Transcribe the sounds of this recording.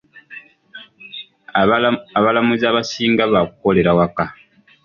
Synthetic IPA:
aβalamuzaːβasiːŋɡaβakuko̞le̞ɾawaka

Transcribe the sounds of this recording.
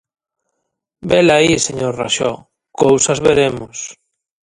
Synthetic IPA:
belaiseɲoɾra̰ʃɔ | kowsazβeɾemʊs

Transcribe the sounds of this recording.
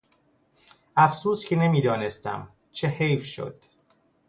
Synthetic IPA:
æfsuːscʰene̞miːd̪ɒːnest̪æ̰m | t͡ʃʰehejfʃo̰d̪̥

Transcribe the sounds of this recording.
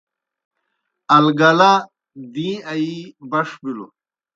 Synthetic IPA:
ɐlɡɐla | d̪iɐibɐʂbilṵ

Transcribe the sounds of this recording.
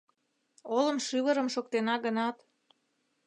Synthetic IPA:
olə̆mʃyβəɾəmʃok̚t̪enɑɡənɑt̪

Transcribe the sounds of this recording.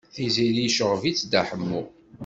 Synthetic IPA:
θizilijʃəʁvit͡sːd̪aħəmːu

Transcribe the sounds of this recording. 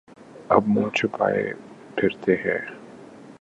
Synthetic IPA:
ɐbmõːt͡ʃʰʊpa̰ːḛpʰɪɾt̪eɦɛː

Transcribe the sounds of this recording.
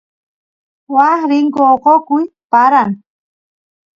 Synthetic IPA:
wahɾɪŋkoqokʊj | paɾaŋ

